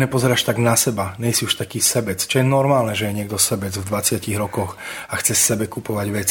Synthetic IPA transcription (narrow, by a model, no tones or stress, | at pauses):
ɲɛpɔzɛɾaːʃt̪aɡnasɛbaɲɛjsiuʃt̪akiːsɛbɛt͡st͡ʃɔjɛnɔɾmaːlnɛʒɛjɛɲɪɛɡ̚d̪ɔsɛbɛd͡zvd̪ʋat͡sɪaciɣɾɔkɔxaxt͡sɛsɛbɛkupɔʋaɟʋɛt͡si